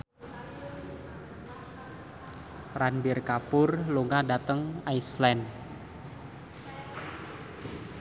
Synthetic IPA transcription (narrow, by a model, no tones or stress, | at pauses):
ranbɪrkapʊrluŋadat̪əŋajslɛnd